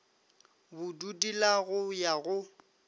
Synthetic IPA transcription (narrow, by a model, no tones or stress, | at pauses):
bʊdudilaɣʊjaɣʊ